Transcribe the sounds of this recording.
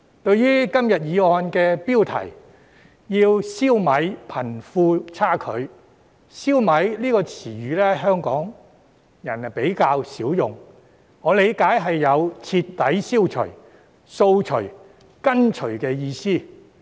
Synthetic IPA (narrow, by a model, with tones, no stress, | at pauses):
t̪ɵ˧ɥjyː˥kɐ˥mjɐ˨t̚jiː˨˧ɔː˧nkɛː˧piː˥wt̪ʰɐ̰˨˩j | jiː˧wsiː˥wmɐ˨˧jpʰɐ˨˩nfuː˧t͡sʰaː˥kʰɵ̰˨˧ɥ | siː˥wmɐ˨˥jliː˥kɔː˧t͡sʰiː˨˩ɥyː˨˧lɛː˥ɦœː˥ŋkɔː˨˥ŋ | jɐ˨˩n˨pe˨˥jkaː˧wsiː˨˥wjʊ˨ŋ | ŋɔː˨˧le˨˧jkaː˨˥jɦɐ˨jːɐ˨˧wt͡sʰi˧t̪ːɐ˨˥jsiː˥wt͡ʃʰɵ̰˨˩ɥ | so˧wt͡ʃʰɵ˨˩ɥ | kɐ˥nt͡ʃʰɵ˨˩ɥkɛː˧jiː˧siː˥˩